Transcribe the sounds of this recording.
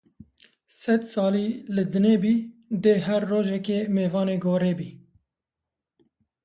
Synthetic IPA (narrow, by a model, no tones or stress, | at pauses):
sɛd̪sɑːliːlɨd̪ɨneːbiːd̪eːɦɛɾːoːʒɛkeːmeːvɑːneːɡoːɾeːbiː